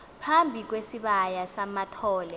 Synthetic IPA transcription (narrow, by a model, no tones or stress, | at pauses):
pʰambʱik̬wesiɓajasamatʰɔːlɛ